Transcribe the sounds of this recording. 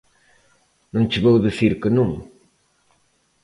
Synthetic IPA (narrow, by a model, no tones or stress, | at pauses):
nɐ̃w̃t͡ʃɨβowðisiɾkɨnũŋ